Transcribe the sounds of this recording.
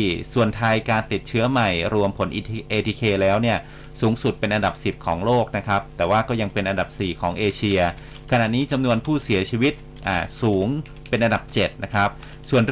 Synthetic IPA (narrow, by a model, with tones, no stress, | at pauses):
i˩su˨˩ənt̪ʰa˧jkaː˧nt̪i˨˩t̪̚t͡ɕʰɯ˦˥ɐma˨˩jɾu˧əmpʰo˩˦nʔi˧ʔeː˧t̪ʰiː˧kʰeː˧lɛː˦˥wni˥˩ɐ | suː˩˦ŋsu˨˩t̪̚pe˧nʔa˧nda˨˩p̚si˨˩p̚kʰɔː˩˦ŋloː˥˩k̚na˦˥kʰɾa˦˥p̚t̪ɛː˨˩waː˥˩kɔː˥˩ja˧ŋpe˧nʔa˧nda˨˩p̚siː˨˩kʰɔː˩˦ŋʔeː˧t͡ɕʰi˧ɐ | kʰa˧na˨˩niː˦˥t͡ɕa˧mnu˧ənpʰuː˥˩si˩˦ɐt͡ɕʰiː˧wi˦˥t̪̚ | ʔaː˨˧˩suː˩˦ŋ | pe˧nʔa˧nda˨˩p̚t͡ɕe˨˩t̪̚na˦˥kʰɾa˦˥p̚ | su˨˩ənɾ